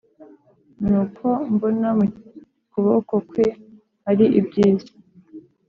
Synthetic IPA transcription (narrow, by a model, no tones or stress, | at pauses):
nuːkʰo̞mbonamu | kuβokokwe | haɾiʔibɟiːzḁ